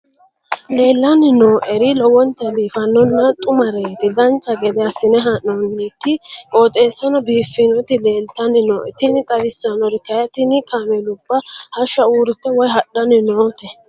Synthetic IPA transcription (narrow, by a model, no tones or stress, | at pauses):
le̞ːlːɐnɪnoːʔɛɾɪlɔwɔnt̪ɛliːfɐnːɔnːɐt̪ʼʊmɐɾeːt̪ɪd̪ɐnt͡ʃʼːɐɡɛd̪ɛɐsɪnɛɦɐnːɔnːit̪ːɪkʼoːt̪ʼe̞ːsɐnɔbiːfːɪnɔt̪ɪleːlt̪ɐnːɪnoːʔɛt̪ɪnɪt̪ʼɐwɪsːɐnɔɾɪkɐjɐt̪ɪnɪkaːmɛlʊbːɐhɐʃɐuːɾɪt̪ːɛwɔjɦɐɗːɐnɪnoːt̪ɛ